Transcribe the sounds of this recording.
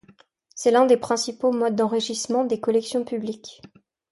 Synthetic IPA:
sɛlɛ̃d̪epχɛ̃sipomɔd̪̚ːɑ̃ʁiʃismɑ̃d̪ekɔlɛksjɔ̃pyblikʲ

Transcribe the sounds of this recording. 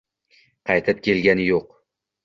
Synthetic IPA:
qʰɑjt̪ʰɪp̚kʲʰe̞lɡʲanɪjoq

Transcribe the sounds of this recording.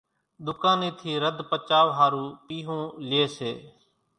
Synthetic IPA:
ɗ̪ʊkãːniːt̪ʰiːɾəd̪ʱpət͡ʃaːʋɦaːɾuːpiːɦõːleːseː

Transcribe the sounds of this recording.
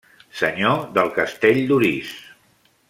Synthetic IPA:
səɲoðəlˠkəst̪eʎd̪uɾis

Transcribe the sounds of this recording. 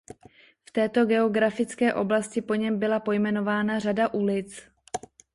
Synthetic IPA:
ft̪ɛːt̪o̞ɡɛo̞ɡɾafɪt͡skɛːʔo̞blascɪpo̞ɲɛmbɪlapo̞jmɛno̞vaːnar̝adaʔulɪt͡s

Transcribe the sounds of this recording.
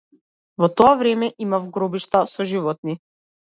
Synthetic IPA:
vɔt̪ɔavɾɛmɛʔimafɡɾɔbiʃt̪asɔʒivɔt̪̚ni

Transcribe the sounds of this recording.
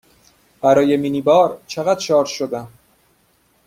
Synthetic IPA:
b̥æɾɒːje̞miːniːbɒːɾt͡ʃʰeɣæd̪ʃɒːɾʃod̪æm

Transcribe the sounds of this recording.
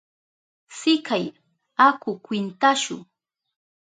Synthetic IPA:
sɪkaj | akʊkwɪnt̪aʃʊ̰

